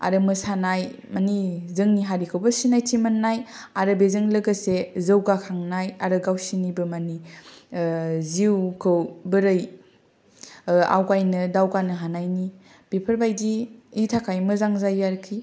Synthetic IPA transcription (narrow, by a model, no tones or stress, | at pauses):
a̰ɾɯmɯsanaj | manizɯŋniɦaɾikʰəwbɐsinajtimanːajaɾɯbezɯŋlɐɡɐsezəwɡakʰaŋnajaɾɯɡawsinibɯmani | ziwkʰɯwbɯɾɯj | a̰wkajnɯdawkanɯɦanajni | b̥epʰəɾbajdiːtʰakʰajmɯzaŋzajːaɾkʰi